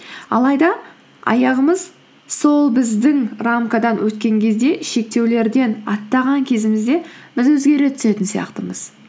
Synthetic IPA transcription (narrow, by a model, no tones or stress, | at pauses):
ɑ̰lˠɑjd̪ɑ | ɑ̰jɑʁəməz | so̞lˠbɪzd̪ɪŋramkad̪ɑnwɵt̪kʲe̞ŋkʲʰe̞zd̪e̞ʃe̞k̚t̪e̞wle̞ɾd̪e̞nɑt̪ːɑʁɑŋkʲʰe̞zɪmɪzd̪e̞bɪzwɵzɡʲe̞ɾe̞t̪ʰʏ̥se̞t̪ɪnsijɑ̰qt̪əməz̥